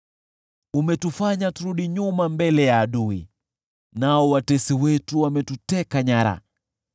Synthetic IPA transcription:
umɛtufaɲatuɾuɗiɲumambɛlɛjaːɗui | naɔwatɛsiwɛtuwamɛtutɛkaɲaɾa̰

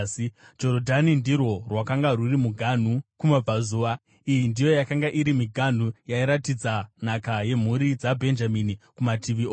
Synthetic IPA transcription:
d͡ʒo̞ɾodʱanindirwo̞rwakaŋɡarurimuɡʱan̤ukumab͡vazuːʋa | ijindijo̞jakaŋɡaʔiɾimiɡʱan̤ujaiɾatid͡zanakaje̞m̤uɾid͡zabʱe̞nd͡ʒaminikumatʰiʋio

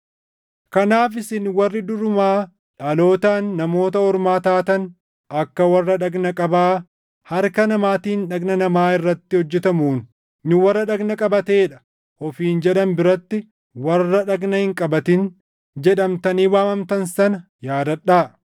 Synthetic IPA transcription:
kɐnaːf̬ɪsɪnwɐrːɪd̪ʊɾʊmaː | ᶑɐlo̞ːt̪aːnːɐmo̞ːt̪ɐɔɾmaːt̪aːt̪ɐn | ɐkːɐwɐrːɐᶑɐɡnɐkʼɐbaː | hɐɾkɐnɐmaːt̪iːnᶑɐɡnɐnɐmaːɪrːɐt̪ːɪhɔd͡ʒːɛt̪ɐmuːn | nʊwɐrːɐᶑɐɡnɐkʼɐbɐt̪eːᶑɐ̥ | hɔfiːnd͡ʒɛᶑɐnbɪɾɐt̪ːɪ | wɐrːɐᶑɐɡnɐhɪŋkʼɐbɐt̪ɪn | d͡ʒɛᶑɐmt̪ɐniːwaːmɐmt̪ɐnsɐnɐ | jaːd̪ɐᶑːaː

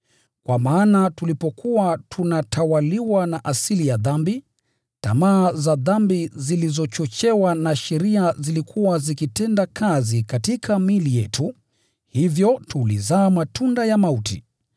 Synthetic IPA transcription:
kwamaːnatulipɔkʰuwatʰunatʰawaliwanaʔasilijaðambi | ta̰maːzaðambizilizɔt͡ʃɔt͡ʃɛwanaʃɛɾiazilikʰuwazikitɛndakʰazikatikʰamilijɛtu | hivjɔtulizaːmatundajamautḭ

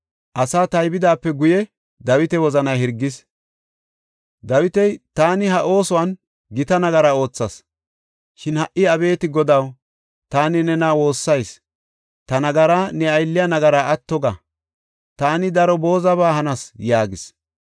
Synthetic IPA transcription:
ʔɐsaːt̪ɐjbɪd̪aːpːɛɡʊjɛ | d̪ɐwɪt̪ɛwɔzɐnɐjhɪɾɡːɪs | d̪ɐwɪt̪ɛjt̪aːnɪhɐʔo̞ːsɔwɐn | ɡɪt̪ɐnɐɡɐɾao̞ːt͡sːɐs | ʃɪnhɐʔɪɐbe̞ːt̪ɪɡɔd̪ɐw | t̪aːnɪnɛnawo̞ːsːɐjs | t̪ɐnɐɡɐɾaːnɛɐjlːɪjɐnɐɡɐɾaːɐt̪ːɔɡɐ̰ | t̪aːnɪd̪ɐɾɔbo̞ːzɐβaːhɐnɐsjaːɡɪs

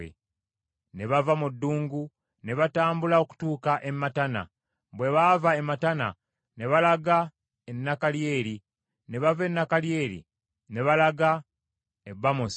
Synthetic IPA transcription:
ḛ | ne̞βavamudːuːŋɡu | ne̞βataːmbulao̞ku̥tuːkaʔe̞mːatana̰ | bwe̞βavaematana̰ | ne̞βalaɡa | enːakalje̞ːɾi | ne̞βave̞nːakalje̞ːɾḭ | ne̞βalaɡa | e̞bːamos

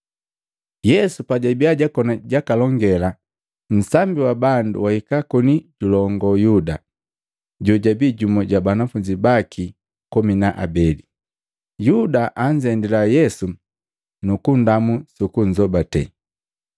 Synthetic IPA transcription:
jɛsupaɟabiaɟakɔnaɟakalɔŋɡɛla | m̩sambiwabandṵwahikakɔniɟulɔŋɡɔjuda | ɟɔɟabiːɟumɔɟabanafuɲd͡ʒibakʰi | kɔminaʔa̰bɛli | judaʔaɲd͡ʒɛndilajɛsu | nukundamusukuɲ̩d͡ʒɔbatɛ̰

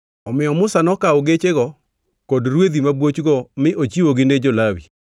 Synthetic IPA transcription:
ɔmɪɔmʊsanɔkaoɡet͡ʃeɣɔ | kɔdɾwed̪imabwot͡ʃɡɔmɪʔot͡ʃiwoɡɪned͡ʒolawḭ

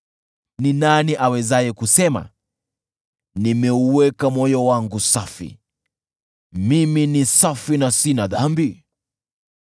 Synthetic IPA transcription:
ninaniʔawɛzajɛkusɛma̰ | nimɛuwɛkamɔjɔwaŋɡusafḭ | miminisafinasinaðambi

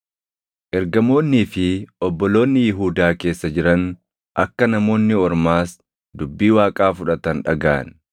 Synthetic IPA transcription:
ʔɛɾɡɐmo̞ːnːiːfɪʔɔbːɔlo̞ːnːɪjɪɦuːd̪aːke̞ːsːɐd͡ʒɪɾɐn | ʔɐkːɐnɐmo̞ːnːɪɔɾmaːs | d̪ʊbːiːwaːkʼaːfʊᶑɐt̪ɐnᶑɐ̰ɡa̰ːn

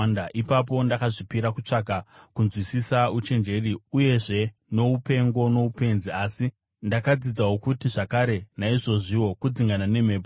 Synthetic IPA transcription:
ndaʔipap̬o̞ndakaʐipiɾakut͡ʂakakunzwisisaut͡ʃe̞nd͡ʒe̞riuje̞ʐe̞no̞upe̞ŋɡo̞no̞upe̞nziasi | ndakad͡zid͡zawokutiʐakaɾe̞naiʐo̞ʐiwo̞kud͡ziŋɡanane̞me̞ːpo

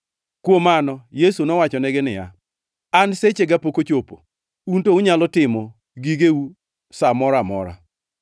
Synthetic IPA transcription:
kwomanɔjesunɔwat͡ʃɔneɡɪnɪja | anset͡ʃeɡapokot͡ʃopo̰ | untouɲalɔtɪmɔ | ɡiɡeu | samɔɾamɔ̰ɾa̰

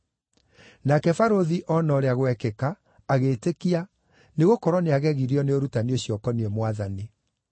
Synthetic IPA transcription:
nakɛfaɾoðiʔɔnɔɾeaɣwɛkɛkaː | ɣetekia | neɣokɔɾwɔneaɣɛɣiɾiɔneoɾutanioɕjɔkɔniɛmwaðani

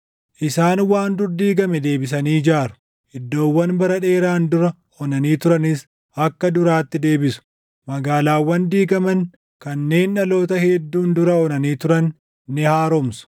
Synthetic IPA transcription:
ʔɪsaːnwaːnd̪ʊɾd̪iːɡɐmɛd̪e̞ːbɪs̬ɐniːd͡ʒaːɾʊ̥ | ɪd̪ːo̞ːwːɐnbɐɾɐᶑe̞ːɾaːnd̪ʊɾɐ | ɔnɐniːt̪ʊɾɐnɪs | ʔɐkːɐd̪ʊɾaːt̪ːɪd̪e̞ːbɪsʊ̥ | mɐɡaːlaːwːɐnd̪iːɡɐmɐn | kɐnːe̞ːnᶑɐlo̞ːt̪ɐhɛd̪ːuːnd̪ʊɾɐɔnɐniːt̪ʊɾɐnː | ɪhaːɾɔmsʊ̥

